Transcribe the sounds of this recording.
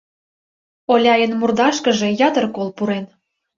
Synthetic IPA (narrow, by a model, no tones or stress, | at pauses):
olʲɑjənmurd̪ɑʃkə̆ʒe̽jɑt̪ərkolpuɾen